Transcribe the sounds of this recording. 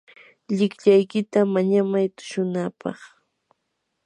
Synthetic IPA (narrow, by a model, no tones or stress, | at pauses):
ʎɪkʎajkɪt̪amaɲamajt̪ʊ̥ʃʊnapɑ̰χ